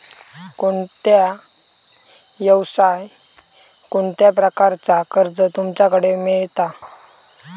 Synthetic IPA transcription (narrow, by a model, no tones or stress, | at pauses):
koɳt̪ja | jəwsaj | koɳt̪japɾəkaɾt͡sakəɾd͡zət̪umt͡ɕjakəɽemiɭt̪a